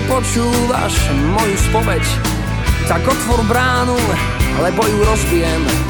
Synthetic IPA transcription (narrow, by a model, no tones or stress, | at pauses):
pɔt͡ʃuːʋa̰ʃ | mɔjuspɔʋɛc | t̪aɡɔt̪ʋɔɾbɾaːnu | alɛbɔjuɾɔzbɪjɛm